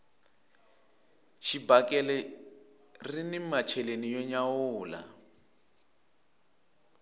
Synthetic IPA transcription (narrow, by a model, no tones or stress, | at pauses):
ʃibakɛlɛ | rinimat͡ʃʰɛlenijɔɲaʊːla̰